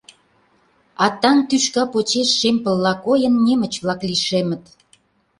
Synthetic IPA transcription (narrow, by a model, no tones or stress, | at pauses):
ɑt̪ɑnt̪yʃkɑpot͡ɕeʃːempə̆lːɑkojənːʲemə̆t͡ɕβlɑkliʃemə̆t̪